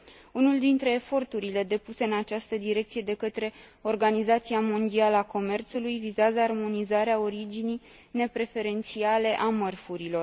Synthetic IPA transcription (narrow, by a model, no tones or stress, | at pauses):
unuld̪int̪ɾe̞ːfo̞rt̪uɾile̞d̪e̞puse̞ɨnat͡ʃast̪əd̪iɾe̞k̚t̪sije̞d̪e̞kət̪ɾe̞o̞rɡanizat̪siamo̞nd̪ialəako̞me̞rt̪sulujvizeazəarmo̞nizaɾeao̞ɾid͡ʒinij | ne̞pɾe̞fe̞ɾe̞nt̪siale̞ʔamərfuɾilo̞r